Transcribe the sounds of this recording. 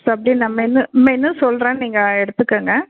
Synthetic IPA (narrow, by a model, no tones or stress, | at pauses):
sɐpːɐɽinnɐmːɐɪnːɯmːɐɪnːɯsɔlɾẽːniːŋɡɐɛɽɯt̪ːɯkːeːŋɡɐ